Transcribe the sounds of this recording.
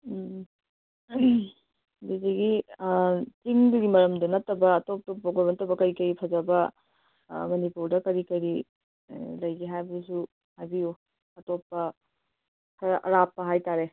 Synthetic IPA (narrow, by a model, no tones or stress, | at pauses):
bizeɡi | tiŋdɐɡimɐɾɐmdɐnɐtːɐbɐːtop̚topːɐɡoɾbɐnɐtːɐbɐkɐjkɐjipʰɐzɐbɐ | mɐnipuɾdɐkɐɾikɐɾi | lɐjɡiɦajbɐdisu | hajbiju | ɐtopːɐ | kʰɐʔɐ̰ɾapːɐɦajtaɾe